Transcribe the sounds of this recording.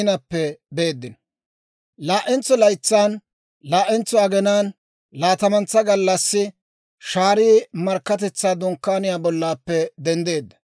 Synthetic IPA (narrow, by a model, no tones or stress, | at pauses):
nɐpːɛbe̞ːd̪ːɪn | laːʔɛnt͡sːɔlɐjt͡sːaːn | laːʔɛnt͡sːɔɐɡɛnaːn | laːt̪ɐmɐnt͡sːɐɡɐlːɐsːɪ | ʃaːɾiːmɐɾkːɐt̪̬ɛt͡sːaːd̪ɔŋkːaːnɪjaːbɔlːaːpːɛd̪ɛnd̪e̞ːd̪ːɐ̥